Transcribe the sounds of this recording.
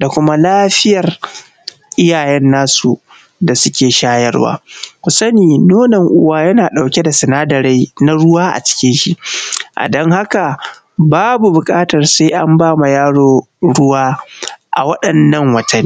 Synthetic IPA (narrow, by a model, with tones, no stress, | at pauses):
da˨kʷʊ˦ma˦laː˦ɸɪ˦jɐ˨r | ʔɪ˦jaː˨jɛ˦nːaː˦su˨ | da˨sʊ˦kʲeː˨ʃaː˦jɐ˦rwa̰ː˦kʷʊ˨sɐ˦niː˨noː˦nɛ˨ŋʔʊ˦waː˦jɐ˦naː˨ɗa˨wkʲe˦da˨sɪ˨naː˦dɐ˨ɾe˦na˦ɽʊ˦waː˦ʔa̰˨t͡ʃɪ̥˦kʲɪ˦nʃi˦˨ʔa̰˨dɔ˦ŋha˦ka˨ | baː˦bu˨bʊ˨kʼaː˦tɐ˨rsa˦jʔa˦mbaː˦ma˨jaː˦ɽoː˨ | ɽʊ˦waː˦ʔa̰˨wɐ˦ɗɐ˨nːɐ˦ŋwɐ˨tʰɐ˦nː˦